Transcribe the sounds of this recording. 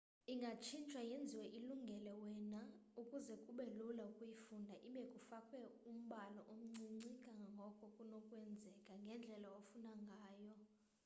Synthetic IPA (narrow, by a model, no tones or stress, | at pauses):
iŋɡʱat͡ʃʰint͡ʃʰʼwajend͡zʱiwɛʔiluŋɡʱɛlɛwɛnaukʼuzɛkʼuɓɛlulaukʼujifundʱaʔiɓɛkʼufakʼwɛum̩ɓalɔʔom̩ŋ͡ǀiŋ͡ǀikʼaŋɡʱɔkʼɔkʼunokʼwɛnd͡zʱɛkʼaŋɡʱɛnd͡ɮʱɛlaofunaŋɡʱaːjɔ